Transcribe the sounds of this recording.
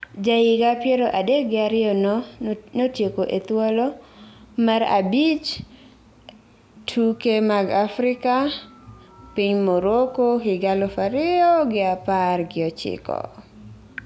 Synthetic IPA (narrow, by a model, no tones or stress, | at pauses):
d͡ʒaɪɡapjɛɾoʔadek̚ɡɪaɾɪjɔnɔnotjekoʔet̪wolomaɾa̰bit͡ʃ | tʰukemaɡafɾɪka | piɲmoɾokoɦɪɡalɔfaɾɪɔɡɪaparɡɪɔt͡ʃɪ̰kɔ̰